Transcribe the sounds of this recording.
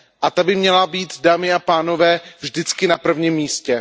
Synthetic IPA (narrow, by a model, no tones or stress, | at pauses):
ʔat̪abɪmɲɛlabiːt̪daːmɪapaːno̞vɛːvʒdɪt͡skɪnapr̩vɲimːiːscɛ